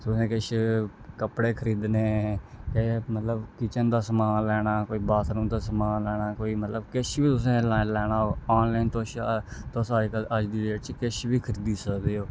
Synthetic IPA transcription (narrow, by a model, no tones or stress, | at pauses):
t̪ʊsẽːkɪʃkəpɽeːkʰəɾiːd̪neːkemət̪ləbkɪt͡ʃənd̪aːsəmaːlɛːɽ̃aːkoːiːbaːt̪ɾũːnd̪aːsəmaːlɛːɽ̃aːkoːiːmət̪ləbkɪʃbiːt̪ʊs̬ẽːlaːlɛːɽ̃aːoaːnlaːint̪oʃt̪osaːkəəd͡ʒd̪iːeːʈt͡ʃkɪʃbiːkʰəɾiːd̪iːsəkd̪eːoː